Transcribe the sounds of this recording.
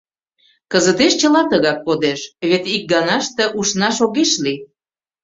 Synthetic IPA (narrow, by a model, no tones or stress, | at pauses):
kəzət̪eʃt͡ɕəlɑt̪əɣɑk̚ːod̪eʃβet̪ik̚ɡɑnɑʃt̪ə̆ʔuʃnɑʃoɣeʃli